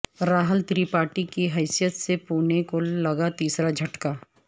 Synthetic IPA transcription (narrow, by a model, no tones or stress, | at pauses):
ɾaːɦəlt̪ɾiːpaːɾʈikiɦɛːsijət̪sepuːnekolɐɡat̪iːsɾad͡ʒʱɐʈka